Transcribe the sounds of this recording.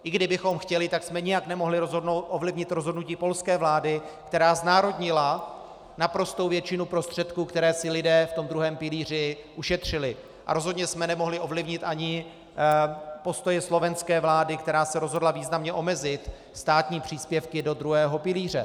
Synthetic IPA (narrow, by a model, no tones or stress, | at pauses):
ʔɪɡdɪbɪxo̞mxcɛlɪt̪aksmɛɲɪjaknɛmo̞ɦlɪɾozɦdoʔovlɪvɲɪt̪ɾozɦodnuciːpo̞lskɛːvlaːdɪkt̪ɛɾaːznaːɾo̞dɲɪla | napɾo̞st̪owvjɛt͡ʃɪnupɾo̞st̪r̝̥ɛt̪kuːkt̪ɛɾɛːsɪlɪdɛːft̪o̞md̪ɾuɦɛːmpɪliːr̝ɪʔuʃɛt̪r̝̥ɪlɪ | ʔa̰ɾo̞zɦodɲɛsmɛnɛmo̞ɦlɪʔo̞vlɪvɲɪt̪ʔaɲɪ | po̞st̪o̞jɛslo̞vɛnskɛːvlaːdɪkt̪ɛɾaːsɛɾo̞zɦo̞dlaviːznamɲɛʔo̞mɛzɪt̪ | st̪aːt̪ɲiːpr̝̥iːspjɛfkɪdo̞d̪ɾuɦɛːɦo̞pɪliːr̝ɛ